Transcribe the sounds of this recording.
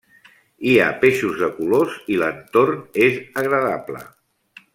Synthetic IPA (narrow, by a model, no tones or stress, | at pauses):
ia̰peʃuzðəkulozilənt̪ornezəɣɾəðaplə̰